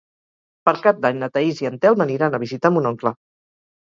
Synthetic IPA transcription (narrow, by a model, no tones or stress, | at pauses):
pəɾkap̚d̪aɲnət̪əiziənt̪ɛlˠməniɾanəβizit̪amunɔŋklə